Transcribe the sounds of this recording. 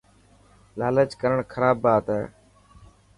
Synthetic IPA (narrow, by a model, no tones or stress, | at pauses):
laːlət͡ʃkəɾəɳkʰəɾaːbːaːt̪ɦɛː